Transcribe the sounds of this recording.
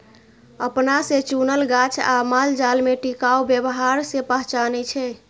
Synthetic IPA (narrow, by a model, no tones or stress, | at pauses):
əpnaset͡ʃunəlɡat͡ʃʰa̰mald͡ʒalmeʈikaubjəbɦaɾsepəɦt͡ʃanɛt͡ʃʰɛ